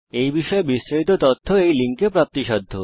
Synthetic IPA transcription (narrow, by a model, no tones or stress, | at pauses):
ejbiʃɔebisʃait̪̬ot̪ot̪ʰːoejliŋkepɾap̚t̪iʃɔd̪ʱːo